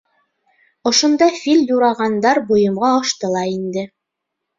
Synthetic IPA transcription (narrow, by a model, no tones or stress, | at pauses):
ŏʃŏnd̪ɑfilʲjuɾɑʁɑnd̪ɑɾbŏjɤ̆mʁɑoʃt̪ɤlˠɑind̪ɘ